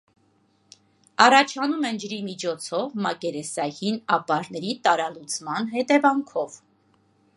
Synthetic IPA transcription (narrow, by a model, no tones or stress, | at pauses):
ɑrɑt͡ʃʰɑnumɛnd͡ʒəɾimit͡ʃʰɔt͡sʰɔvmɑkɛɾɛsɑjinɑpɑɾnɛɾit̪ɑɾɑlut͡sʰmɑnɦɛt̪ɛvɑŋkʰɔv